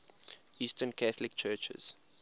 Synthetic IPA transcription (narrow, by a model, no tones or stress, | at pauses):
istə̃nkʰaθlɪkt͡ʃʰɜːt͡ʃə̰z̥